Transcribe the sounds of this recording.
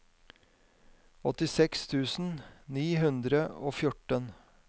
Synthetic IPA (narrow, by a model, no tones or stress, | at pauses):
ɔt̪ɪsɛkst̪ʰʉːsn̩niːɦʉnd̪ɾəo̰ːfjʊʈən